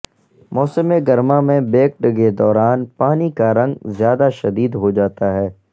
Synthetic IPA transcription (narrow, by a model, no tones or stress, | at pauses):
mɔːsəmeɡɐɾmãmẽbeːk̚ɖɡed̪ɔːɾaːnpaːnikaɾɐ̃ŋɡzjaːd̪aʃɐd̪iːd̪ɦod͡ʒaːt̪aɦɛː